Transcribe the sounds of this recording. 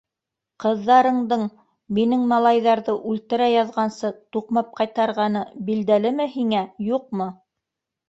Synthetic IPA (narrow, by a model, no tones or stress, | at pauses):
qɤ̆ðːɑɾɤ̆ɴd̪ɤɴ | minɘŋmɑlˠɑjðɑɾðɤʔʉlt̪ɘ̆ɾæjɑðʁɑnsɤt̪uqmɑp̚qɑjt̪ɑɾʁɑnɤbild̪ælɘmɘhiŋæjuq̚mɤ